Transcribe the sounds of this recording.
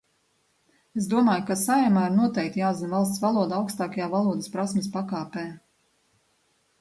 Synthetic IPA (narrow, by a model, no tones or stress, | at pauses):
es̬d̪uɔmaːjukasajɛmaːiɾnuɔt̪ɛjkt̪ijaːzinvalˠst̪svalˠuɔd̪aawkst̪ɑːkajaːvalˠuɔd̪əspɾasmespakaːpɛː